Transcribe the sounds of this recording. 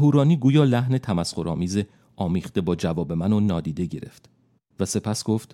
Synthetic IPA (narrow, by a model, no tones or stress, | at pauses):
ɦuːɾɒːniːɡuːjɒːlæɦne̞t̪ʰæmæsxoɾɒ̰ːmiːze | ʔɒːmiːχt̪e̞bɒːd͡ʒævɒːbe̞mænonɒːd̪iːd̪e̞ɟe̞ɾe̞̰ft̪ | væse̞pʰæsɡ̥o̞ft̪